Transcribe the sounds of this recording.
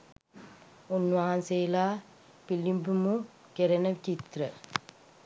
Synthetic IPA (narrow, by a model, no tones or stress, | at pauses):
unːuʋaːansejlaː | pilːimpumu | keɾɐnɐt͡ʃit̪ɾɐ